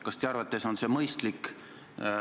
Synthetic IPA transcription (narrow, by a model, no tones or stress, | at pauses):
kɑst̪jɑɑɾvɑt̪ːˑe̞so̞nse̞mɤjst̪lik